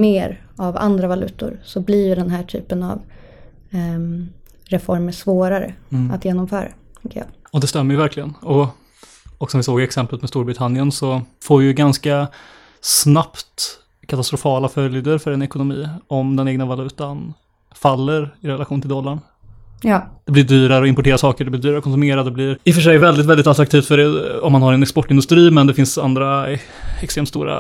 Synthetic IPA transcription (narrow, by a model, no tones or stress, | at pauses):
meːɾ | ava̰nd̪ɾavalʉ̟ːt̪ʊ̰ɾsɔbliːjɵɖɛnɦæːʈʰy̰ːpəna̰v | ɾɛfɔɾməʂvoːɾaɾə̰a̰t̪jeːnɔmfœːɾa̰t̪ʰɛŋkəjɑ̰ːɔd̪ɛst̪ɛmːəɾjəvæɾkʰlɪɡənɔ | ɔksɔmvɪsoːɡɛksɛmplət̪mɛst̪uːɾbɾɪt̪ʰanɪənsɔfoːɾvɪjʏɡanska | snapt̪ | kʰat̪ast̪ɾʊfɑːlafœljd̪əɾfœɾɛnɛkʊnʊmiːɔmd̪ɛneːɡnavalʉ̟ːt̪an | falːəɾɪɾɛlaxɧuːnɪlɔlːaɳː | d̪̥ɛblɪɖyːɾaɾəɔɪmpʊʈʰeːɾasɑːkəɖɛblɪɖyːɾaɾɔkʰɔns̬meːɾad̪d̪ɛblɪɾɪfœʂɛjvɛld̪ɪt̪vɛld̪ɪt̪at̪ɾakt̪ʰiːft̪fœɖɛɔmːanhaɾɛnɛkspɔʈːɪnɵst̪ɾiːmɛnd̪ɛfɪnsa̰nd̪ɾa | ɛkst̪ɾeːmt̪st̪ṵːɾa̰